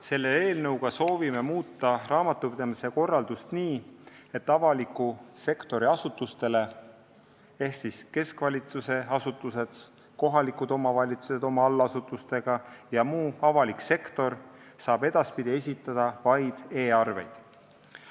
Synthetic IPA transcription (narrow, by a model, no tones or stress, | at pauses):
se̞lːe̞eːlnɤwɡ̥ɑso̞ːvime̞muːt̪ːˑɑrɑːmɑt̪ːˑupid̪ɑmise̞ko̞rːɑld̪̥ust̪niːe̞t̪ːɑvɑlikːˑuse̞kt̪o̞ɾiɑsut̪ːˑust̪e̞le̞ | e̞hsiske̞skvɑlʲit̪suse̞ɑsut̪ːˑuse̞d̪̥ | ko̞ɦɑlikud̪o̞mɑvɑlʲit̪suse̞d̪o̞mɑɑlːɑsut̪ːˑust̪e̞ɡ̥ɑjɑmuːɑvɑlikse̞kt̪o̞r | sɑːb̥e̞d̪̥ɑspid̪̥ʲie̞sʲit̪ːˑɑd̪̥ɑvɑjd̪̥e̞ːɑrve̞̰jd̪̥